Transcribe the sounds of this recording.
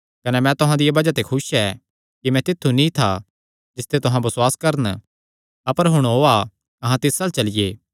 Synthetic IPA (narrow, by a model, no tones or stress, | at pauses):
kɐnɛmɛ̃t̪ʊɦãd̪ijabɐd͡ʒat̪ekʰʊsɛː | kimɛ̃t̪ɪt̪ʰːunĩt̪ʰa | d͡ʒɪst̪et̪ʊɦãbɐswaːskɐɾən | ɐpəɾɦʊɽ̃oːa | ɐɦãt̪ɪsaːlt͡ʃɐlɪjeː